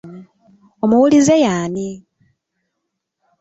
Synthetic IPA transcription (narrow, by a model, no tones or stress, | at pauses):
o̞muwulizejaːni